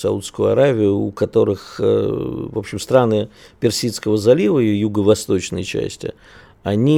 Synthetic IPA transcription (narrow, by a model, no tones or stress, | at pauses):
sɐut̪skʊjʊɐ̰ɾavʲɪjʊːkɐt̪o̞ɾɨx | vo̞pɕːɪmst̪ɾanɨpʲɪrsʲit̪skəvəzɐlʲivəijuɡəvɐst̪o̞t͡ɕnə̰jt͡ɕæ̰sʲtʲɪ̰ | ɐnʲi